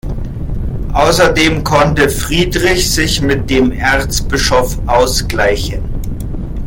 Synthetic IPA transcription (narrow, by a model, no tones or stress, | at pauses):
ʔaʊsɐdeːmkʰɔntəfʁ̥iːdʁɪçz̥ɪçmɪt̚d̥eːmʔɛʁt͡sb̥ɪʃofʔaʊsɡ̥laɪçən